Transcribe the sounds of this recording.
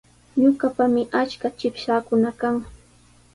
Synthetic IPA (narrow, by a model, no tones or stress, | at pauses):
ɲʊkapamɪʔat͡ʃkat͡ʃɪpʃaːkʊnakaŋ